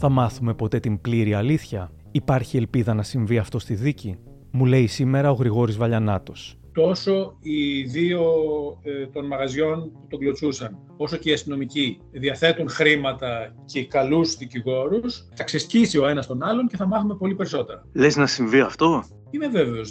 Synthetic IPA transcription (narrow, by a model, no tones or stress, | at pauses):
θɐmɐθume̞po̞t̪e̞t̪imbliɾiɐliθçɐ | ipɐɾçielpiðɐnɐsiɱviɐft̪o̞st̪iðici | mule̞jsime̞ɾɐo̞ɣɾiɣo̞ɾizvɐʎɐnɐt̪o̞s | t̪o̞so̞iðio̞ | t̪o̞nmɐɣɐzʝo̞nput̪oɡlo̞t͡susɐn | o̞so̞ce̞iɐst̪ino̞mici | ðiɐθe̞t̪unxɾimɐt̪ɐce̞kɐluzðiciɣo̞ɾusθɐksescisio̞e̞nɐst̪o̞nɐlo̞nceθɐmɐθume̞po̞lipe̞ɾiso̞t̪e̞ɾɐleznɐsiɱviɐft̪o̞ | ine̞ve̞ve̞os